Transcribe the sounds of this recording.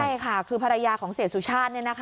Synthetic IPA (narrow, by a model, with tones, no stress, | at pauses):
a˥˩jkʰa˥˩kʰɯː˧pʰa˧ɾa˧jaː˧kʰɔː˩˦ŋsiː˨˩˦t̚su˨˩t͡ɕʰaː˥˩t̪̚ni˥˩na˦˥kʰ